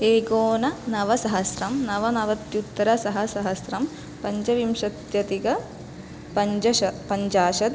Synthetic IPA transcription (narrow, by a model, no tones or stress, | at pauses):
eːɡoːnɐnɐʋɐsɐɦɐsɾɐmnɐʋɐnɐʋɐt̪jut̪ːɐɾɐsɐɦɐsɐɦɐsɾɐm | pɐɲd͡ʒɐʋimʃɐt̪jɐt̪iɡɐ | pɐɲd͡ʒɐʃɐpɐɲd͡ʒaːʃɐd̪